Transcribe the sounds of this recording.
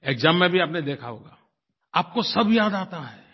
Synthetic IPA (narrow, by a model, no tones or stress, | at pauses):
eːkzãːmːẽbʱiaːpned̪eːkʰaɦoːɡaː | aːp̚kosɐbʱjaːd̪aːt̪aɦɛː